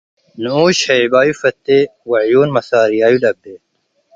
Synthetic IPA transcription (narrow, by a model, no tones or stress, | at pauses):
nuoːɕhɐibaːjufɐt̪ːewɐʕjoːnmɐsaːɾijaːjulɐb̚d̪eː